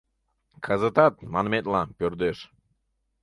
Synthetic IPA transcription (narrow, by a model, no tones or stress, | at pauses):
kʰazət̪at̪̚manmet̪lˠapʲøɾd̪øʃ